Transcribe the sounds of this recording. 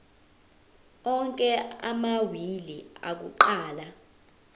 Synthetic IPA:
ɔŋkʼɛa̰mawilia̰k̬uǃaːla

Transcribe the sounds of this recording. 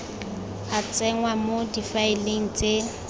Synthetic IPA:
at͡sʼɛŋwamodifaɪleŋ̩t͡sʼe

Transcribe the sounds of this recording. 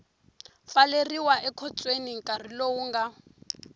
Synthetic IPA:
faleriwaʔɛkʰɔt͡sʼweniŋkʼar̤ilowuŋɡa

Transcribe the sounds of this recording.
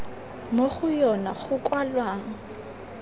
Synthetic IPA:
moχʊjɔnaχʊkʼwalwaːŋ̩

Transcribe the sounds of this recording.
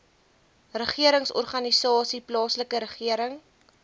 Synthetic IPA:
rəχiəɾəŋsɔ̰rχɐnisɑːsiplɑːsləkəɾəχiəɾəŋ

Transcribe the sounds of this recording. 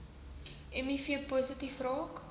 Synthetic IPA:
ɛmifiəpozətifrɑːk

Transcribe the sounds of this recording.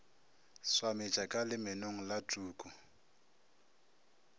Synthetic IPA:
swamɪt͡ʃʼakʼalɪmɛnoŋ̩latʼuːkʼʊ

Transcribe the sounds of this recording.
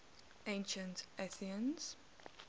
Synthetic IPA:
ẽnʃə̃ntʔɛθiə̃nz̥

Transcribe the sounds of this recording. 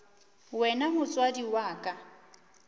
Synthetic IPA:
wɛnamʊt͡sʼwadiwaːkʼa

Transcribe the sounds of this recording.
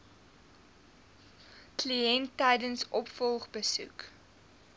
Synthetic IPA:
kliɛntːɛjdənsʔɔpfɔlˠχbəsṵk

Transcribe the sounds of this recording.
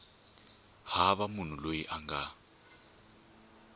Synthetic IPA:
haβamun̤ulojiʔaŋɡa

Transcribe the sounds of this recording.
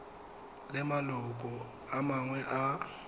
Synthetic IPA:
lɛmalɔk̬ʼɔ | amaŋwɛʔa

